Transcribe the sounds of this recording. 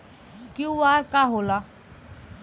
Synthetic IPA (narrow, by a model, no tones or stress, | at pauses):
kjũaːɾkaɦoːla